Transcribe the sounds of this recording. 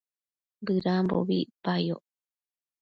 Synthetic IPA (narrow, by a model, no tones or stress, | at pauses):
bɨɾambo̰βipajo